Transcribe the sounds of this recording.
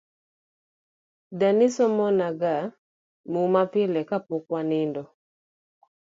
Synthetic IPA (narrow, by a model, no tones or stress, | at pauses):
danisɔmɔnaɡa | mumapɪlɛkapʊkwanɪndɔ